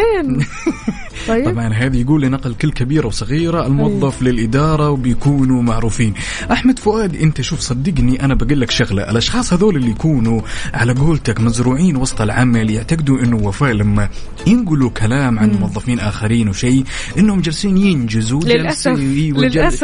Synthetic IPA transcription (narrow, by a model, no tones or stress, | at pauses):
ɑt̪ːˤbʕɑnɦaːðajɡuːlːinaqlkɪlːkabiːɾawsˤɨɣiːɾaɪlmʊwɑðˤːɑflɪlʔɪd̪ɑːɾˤɑwbɪjakuːnumaʕɾuːfiːn | ʔaħmad̪fʊʔaːd̪ʔɪnt̪aʃuːfsˤɑd̪ːɪɡniʔanabaɡiːlːakʃaɣla̰ʔɪ̰lʔɑʃxɑːsˤhaðoːlɪlːijkuːnuʕalaɡoːlt̪akmazɾuːʕiːnwɑsˤt̪ˤɪlʕamaljɪʕt̪aɡɪd̪uʔɪnːʊwafaːʔlamːa | jɪnɡʊlukʰalaːmʕanmʊwɑðˤːɑfiːnʔaːxaɾiːnwʃeː | ʔɪnːhʊmd͡ʒalsiːnjɪnd͡ʒɪzualsiːwɪd͡ʒaa